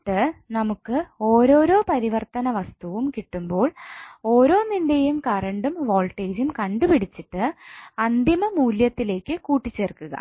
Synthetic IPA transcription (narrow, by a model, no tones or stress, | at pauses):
ʈːɨnɐmukːɨo̞ːɾo̞ːɾo̞ːpɐɾiʋɐrt̪ɐnɐʋɐst̪uʋumkiʈːumbo̞ːɭo̞ːɾo̞ːninde̞jumkɐrɐɳɖumʋo̞ːɭʈːeːd͡ʑumkɐɳɖupiɽit͡ɕːiʈːɨɐnd̪imɐmuːljɐt̪ːile̞ːkːɨkuːʈːit͡ɕːerkːuɣɐ̰